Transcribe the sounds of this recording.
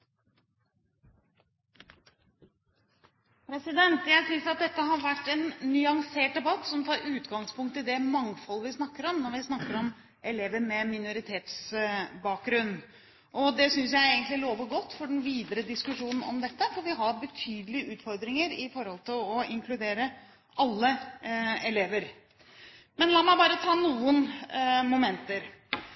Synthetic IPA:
pʰɾɛsɪd̪ɛnt̪jæɪsʏnsɾɑt̪̚d̪ɛt̪ːəɦɑɾʋæʈːɛnːʏɑŋseːʈ̚d̪ɛbɑt̪ːsɔmt̪ʰɑːɾʉːt̪ɡɑŋspʰʊŋk̚t̪ɪd̪ɛmɑŋfɔlːəʋɪsnɑkːəɾɔmnɔɾʋɪsnɑkːəɾɔm | ʔɛleːʋəɾmɛmɪnʊɾɪt̪ʰeːt̪sbɑːk̚ɡɾʉnː | ʔɔd̪ɛsʏns̬jæɪeːɡənt̪lɪloːʋəɡɔt̪ːfɔɖɛnʋiːd̪əɾəd̪ɪskʉʂuːnn̩ɔ̰md̪ɛt̪ːəfɔɾʋɪɦɑɾbət̪ʰyːd̪əlɪəʔʉːt̪fɔɾd̪ɾɪŋəɾɪfɔɾhɔlt̪ʰɪlɔɪŋkʰlʉd̪eːɾə | ɑlːə | ɛleːʋəɾ | mɛnlɑːmæɪbɑːɾət̪ʰɑːnuːənmʊmɛnt̪əɾ

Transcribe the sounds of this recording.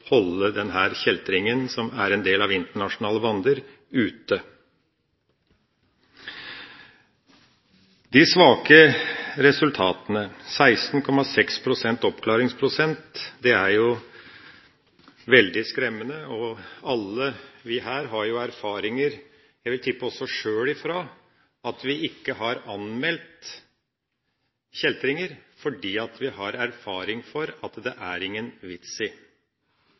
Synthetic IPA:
hɔlːəd̪ɛnɦæːɾçɛlt̪ɾɪŋənsɔmæɾɛnd̪eːlɑʋɪnt̪əɳɑʂʊnɑːləbɑnd̪əɾ | ʉːt̪ə | d̪ɪsʋɑːkəɾɛsʉlt̪ʰɑːt̪ənəsæɪst̪n̩kʰɔmːɑsɛkspʰɾʊsɛnt̪ɔpkʰlɑːɾɪŋspʰɾʊsɛnt̪d̪ɛæɾjʊ | ʋɛld̪ɪskɾɛmːənəɔɑlːəʋɪɦæːɾɦɑɾjʊæɾfɑːɾɪŋəɾ | jæɪʋɪlt̪ʰʏpːəɔsːɔʂøːlɪfɾɑː | ɑt̪ʋɪʔɪkːəɦɑɾɑnmɛlt̪ | çɛlt̪ɾɪŋəɾfɔɖiːɑt̪ʋɪhɑɾæɾfɑːɾɪŋfɔɾɑt̪d̪ɛʔæɾɪŋːənʋɪt̪sɪ

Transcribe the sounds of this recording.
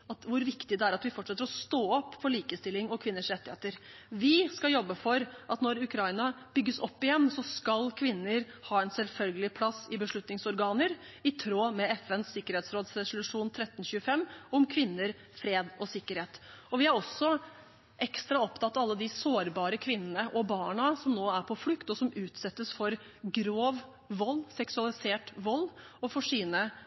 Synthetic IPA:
ɑt̪ʋʊɾʋɪkt̪ɪd̪ɛæɾɑt̪ʋɪfɔʈːʂɛt̪ːəɾɔst̪oːɔpːfɔɭiːkəst̪ɪlːɪŋɔkʰʋɪnːəʂɾɛt̪ːɪheːt̪əɾ | ʋɪskɑljɔbːəfɔɾʔɑt̪nɔɾʉkʰɾɑɪnɑ | b̥ʏɡːəsɔpːɪjɛnːsɔskɑlkʰʋɪnːəɾ | hɑːɛnsɛlfœlɡəlɪpʰlɑsɪbəʂɭʉt̪nɪŋsɔɾɡɑːnəɾ | ɪt̪ʰɾoːmɛɛfɛnsːɪkːəɾeːt̪sɾoːd̪sɾɛsʊlʉʂuːnt̪ʰɾɛt̪ːn̩ɕʉːəfɛmːɔmkʰʋɪnːəɾ | fɾeːd̪ɔsɪkːəɾheːt̪ɔʋɪæɾɔsːɔ | ʔɛkst̪ɾɑɔpt̪ʰɑt̪ːɑɑlːəd̪ɪsoːɾbɑːɾəkʰʋɪnːənəʔɔbɑːɳɑsɔmnoːæɾpʰɔflʉkt̪ɔsɔmʉːt̪sɛt̪ːəsfɔɾ | ɡɾoːʋ | ʋɔlːsɛksʉɑlɪseːʈʋɔlː | ɔfɔʂiːnə

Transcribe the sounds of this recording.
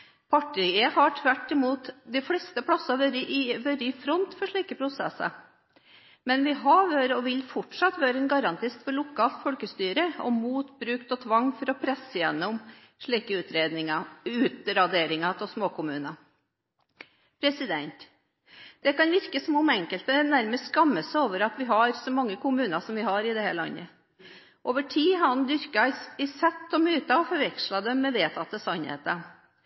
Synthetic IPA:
pʰɑʈːɪehɑʈʰʋæʈːɪmuːt̪d̪ɪfɽɛːst̪əpʰɽɑsɑʋøɾəʔɪʋœɾəɪfɾɔnt̪fɔʂɭiːkəpʰɾʊsɛ̰sɑ̰ | mɛnʋɪɦɑʋøːɾəɔʋɪlfɔʈʂɑt̪ʋøːɾəɛnɡɑɾɑnt̪ʰɪst̪fɔɭʊkʰɑːlt̪fɔlkəst̪yːɾəɔ̰muːt̪bɾʉːkt̪ɔt̪ʰʋɑŋːfɔɾɔpʰɾɛsːəjɛnːɔm | ʂɭiːkəʉːt̪ɾeːd̪nɪŋɑʉːt̪ɾɑd̪eːɾɪŋɑt̪ʰɔsmoːkʊmʉːnɑ | pʰɾɛsɪd̪ɛnt̪ | d̪̥ɛkɑnʋɪɾkəsɔmʊmɛŋkəlt̪əɛnæɾməst̪skɑmːəsəoːʋəɾɑt̪ʋɪɦɑɾsɔmɑŋːəkʊmʉːnɑsɔmʋɪɦɑɾɪd̪ɛhæ̰ɭɑ̰nːə̰ | ʔoːʋəʈʰiːɑnd̪ʏɾkɑɪsɛt̪ːɔmyːt̪ɑɔfɔɾʋɛkʂlɑd̪ɛmːɛʋeːt̪ʰɑt̪ːəsɑnhḛːt̪ə

